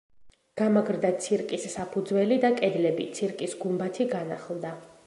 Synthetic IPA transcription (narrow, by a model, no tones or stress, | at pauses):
ɡ̥amaɡɾd̪at̪sʰiɾkʼisːapʰud̪zwɛlid̪akʼɛd̪lɛbit̪sʰiɾkʼisɡumbat̪ʰiɡana̰χlˠd̪a